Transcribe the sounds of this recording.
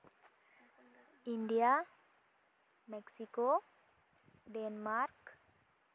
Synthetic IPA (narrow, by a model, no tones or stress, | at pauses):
iɳɖija | meksiko | ɖenmaɾk